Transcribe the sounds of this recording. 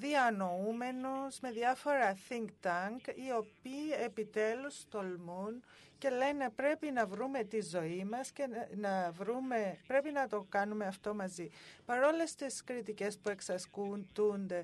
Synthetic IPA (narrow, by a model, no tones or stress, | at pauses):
ðiɐno̞ume̞nuzme̞ðjɐfo̞ɾɐθiŋkt̪ɐŋkio̞piːe̞pit̪e̞lust̪o̞lmun | ce̞le̞ne̞pɾe̞pinɐvɾume̞t̪izo̞imɐsce̞nɐvɾume̞pɾe̞pinɐt̪o̞kɐnume̞ɐft̪o̞mɐzipɐɾo̞le̞st̪iskɾit̪ice̞spue̞ksɐskunt̪und̪e̞